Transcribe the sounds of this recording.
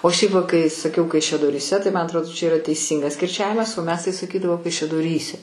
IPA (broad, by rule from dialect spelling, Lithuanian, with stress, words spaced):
oː ʃʲɛɪp ʋɐ kɐɪ sɐˈkʲɛʊ kɐɪʃʲɛdoːrʲiːˈsʲɛ tɐɪ mɐn ɐtrˈoːdoː t͡ʃʲɛ ɪˈrɐ tʲɛɪˈsʲiːŋɡɐs kʲɪrʲˈt͡ʃʲæːʋʲɪmɐs oː mʲɛs tɐɪ sɐˈkʲiːdɐʋoː kɐɪʃʲɛdoːˈrʲiːsʲɛ